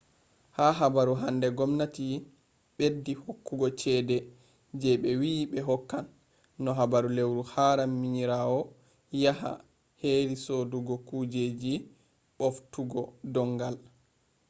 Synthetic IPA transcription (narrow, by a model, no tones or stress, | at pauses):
haɦabaɾuɦandɛɡɔmnati | ɓedːihokːuɡɔt͡ʃɛdɛ | d͡ʒɛɓɛwiɓɛɦɔkːanː | ɔɦabaɾulewɾuhaɾamːiɲiɾawɔ | jaɦa̰ | heɾisoduɡɔkud͡ʒed͡ʒi | ɓoftuɡɔdɔŋɡal